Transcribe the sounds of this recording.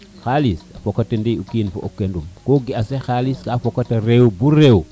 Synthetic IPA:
xalisafokatendiukinfo̰ʔo̰kːendumkoɡiasexaliskafokːatɐɾewbuɾe

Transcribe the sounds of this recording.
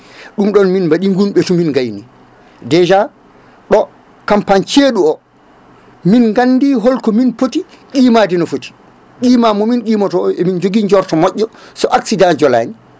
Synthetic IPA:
ɗumɗɔnminmbaɗiŋɡunɓɛtuminŋɡajni | dɛd͡ʒa | ɗɔ | kampant͡ʃeɗuɔ | minŋɡanːdiɦɔlkɔminpoti | kiːmadinɔfoti̥ | kiːmamɔminkiːmatɔemind͡ʒoɡiɲd͡ʒɔɾtɔmɔʔʲːɔsɔʔaksidand͡ʒɔla̰ːni

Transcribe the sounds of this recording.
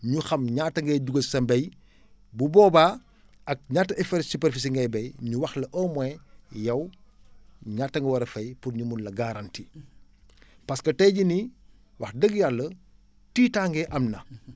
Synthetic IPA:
ɲuxɐmɲaːtːɐŋɡɛːɟuɡɐsɐmbɐj | bubɔːbaː | ɐk̚ɲaːtːɐɛfɛɾsupɛɾfis̬iŋɡɐjbɐjɲuwɐxlɐʔɔːmɛjɐw | ɲaːtːɐŋɡɐwɐɾɐfɐjpurɲumunlɐɡaɾanti | pɐskɐtɛjɟini | wɐxdəɡjalːɐ | tiːtaːŋɡɛʔɐmnɐ

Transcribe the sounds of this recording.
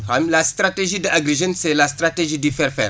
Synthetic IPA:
hamlast̪ɾateʒidəʔaɡɾeʒənsɛlast̪ɾateʒidifɛɾfɛ̰ɾ

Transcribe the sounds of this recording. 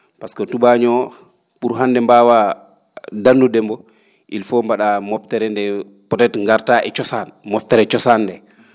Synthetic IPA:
paskɔtuɓaɲɔ | puɾɦandɛmbaːwa | danːudɛmbɔ | ʔilfɔmbaɗamɔptɛɾɛndɛ | pɔtɛtŋɡaɾtaʔɛ̰t͡ʃɔsanmɔftɛɾɛt͡ʃɔsanːdɛ

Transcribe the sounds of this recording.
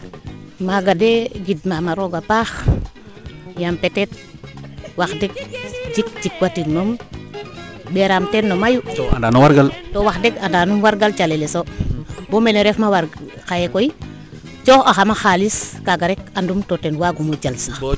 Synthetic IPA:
maɡadeɡidmamaɾoɡapax | jampetet̚ | waxdek̚d͡ʒik̚d͡ʒikwatiɾmom | bɛɾamtetnomajua̰ndanuwaɾɡaltowaxdekandaːnumwaɾɡalt͡ʃalelesobomeleɾefmawaɾ | xajekoi | t͡ʃoxaxamaxaliskaɡaɾekandumtotenwaɡumud͡ʒalsa

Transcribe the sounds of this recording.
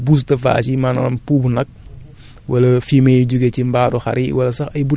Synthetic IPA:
bus̬tɐfa̰ːt͡ʃimanɐ̰lɐmpuːbunɐk̚ | wɐlɐfimejuɟuɡecimbaːɾuxɐ̰ɾiwɐlɐsɐxɐjbu

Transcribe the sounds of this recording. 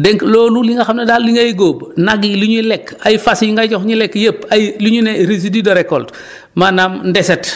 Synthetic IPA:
dɛŋkloːluliŋɡaxamnedalliŋɡajɡoːbnaɡiliɲulɛkajfasjiŋɡaɟɔxɲilɛkjepajliɲuneɾis̬ididoɾɛkːolt | manamndɛset

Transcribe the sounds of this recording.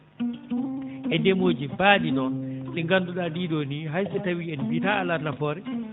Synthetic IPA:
ʔɛndɛmoːd͡ʒibaːɗinɔnɗɛŋɡanduɗadidoniɦajɓɛtawiɛnbitaalanafɔːɾɛ

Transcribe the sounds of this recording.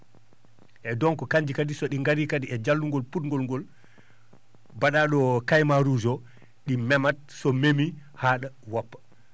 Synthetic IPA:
ʔɛdɔŋkɔkaɲd͡ʒikadisɔɗiŋɡaɾikadiɛd͡ʒalːuŋɡɔlputŋɡɔlŋɡɔl | baɗaɗɔkajmaɾud͡ʒɔ | ɗimɛmat̚sɔmemihaɗawapːḁ

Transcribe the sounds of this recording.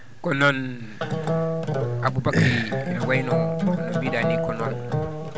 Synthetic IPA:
kɔnɔn | abubakɾinawajnɔnabidanikɔnɔn

